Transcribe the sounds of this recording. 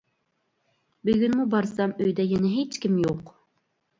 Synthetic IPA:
byɡʲynmubɑɾsɑmøjd̪ɛjɛnɛɦet͡ʃkʲimjoq

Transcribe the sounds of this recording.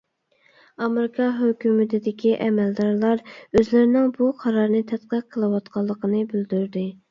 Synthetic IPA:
ɑmeɾɪkʰɑɦøkʲymɪt̪ʰɪd̪ɪkʲiʔɛmɛld̪ɑɾlˠɑɾøzlɪɾɪnɪŋbuqʰɑɾɑɾnɨt̪ʰɛt̪qəqʰːəlˠɨwɑt̪qʰɑlˠːəqʰənɨbyld̪yɾd̪ɪ

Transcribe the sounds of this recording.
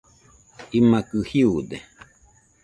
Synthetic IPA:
imakɨhiud̪e

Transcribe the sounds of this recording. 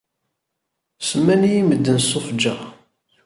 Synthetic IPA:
səmːænijiməd̪ːənsofd͡ʒa

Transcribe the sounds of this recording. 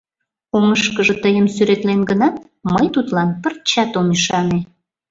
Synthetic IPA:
oməʃkəʒə̆t̪əjəmsyɾet̪lenɡənɑt̪̚ | məjt̪ut̪lɑnpərt͡ɕɑt̪omiʃɑne

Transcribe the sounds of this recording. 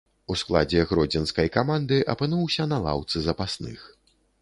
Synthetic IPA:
usklˠa̰d͡zʲɛɣɾɔd͡zʲɛnskɐjkamand̪ɨʔɐpɨnuwsʲɐnalˠa̰wt̪sɨzɐpasnɨ̰x

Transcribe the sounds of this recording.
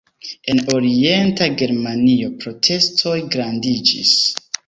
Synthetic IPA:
e̞no̞ɾie̞ntaɡe̞ɾmanio̞pɾo̞tʰe̞stʰo̞jɡɾandid͡ʒḭs

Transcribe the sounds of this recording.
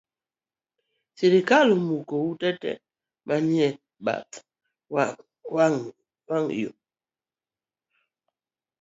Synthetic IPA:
seɾikalumukowutɛtɛ̰ | maɲiɛ | ɓa̰t | w | wŋ | waŋjo̰

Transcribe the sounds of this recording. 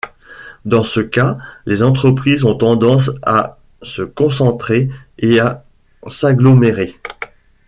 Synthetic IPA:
d̪ɑ̃səkalezɑ̃t̪χəpχizɔ̃t̪ɑ̃d̪ɑ̃s̬a̰ | səkɔ̃sɑ̃t̪χeea | saɡlɔmeʁe

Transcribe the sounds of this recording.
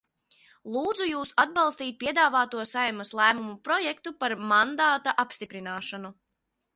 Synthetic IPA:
lˠuːd̪zujuːsad̪̚bɑlˠst̪iːt̪̚pʲiɛd̪aːvaːt̪uɔsajmaslˠæːmumupɾɔjɛkt̪upaɾmand̪aːt̪aʔapst̪ipɾinaːʃanu

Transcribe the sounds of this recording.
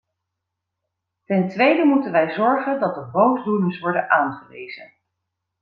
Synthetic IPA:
tɛntʋejdəmutənʋɛjzɔɹχəndɑdəbowzduləsʋɔɹdənʔaːnχəʋḛjzə̰n

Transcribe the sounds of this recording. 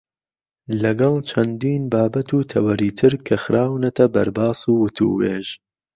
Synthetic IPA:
lɐɡɐlˠt͡ʃʰɐnd̪iːnbaːbɐt̪ʰuːt̪ʰɐwɐɾiːt̪ʰɨɾkʰɐxɾʔaːwnɐt̪ʰɐbɐɾbaːsuːwʊt̪ʰṵːweːʒ

